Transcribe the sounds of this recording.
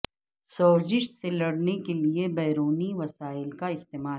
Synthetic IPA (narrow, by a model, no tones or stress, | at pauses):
sɔːzɪʃselɐɽnekeliebɛːɾoːniʋɐsaːɪlkaɪst̪eːmaːl